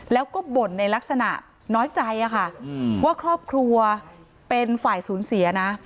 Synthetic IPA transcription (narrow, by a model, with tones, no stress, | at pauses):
lɛː˦˥wkɔː˥˩bo˨˩nːa˧jla˦˥k̚sa˧na̰˨˩ʔ | nɔː˦˥jt͡ɕa˧jʔa˨˩kʰa˥˩waː˥˩kʰɾɔː˥˩p̚kʰɾu˧ɐ | pe˧nfaː˨˩jsuː˩˦nsi˨˩˦ɐna˦˥